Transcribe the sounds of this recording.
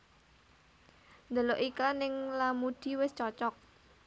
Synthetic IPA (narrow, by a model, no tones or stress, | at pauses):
nd̪əloʔiklanɪŋlamud̪̥i̤wɪst͡ʃɔt͡ʃɔk̚